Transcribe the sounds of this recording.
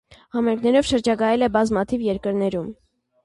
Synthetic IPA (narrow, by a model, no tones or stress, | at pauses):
hɑmɛŋɡnɛɾɔvʃəɾd͡ʒɑɡɑjɛlɛbɑzmɑt̪ʰivjɛɾkəɾnɛɾum